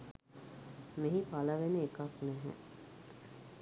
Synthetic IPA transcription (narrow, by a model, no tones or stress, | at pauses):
meɦipaləʋeneekaknɛɦɛ̰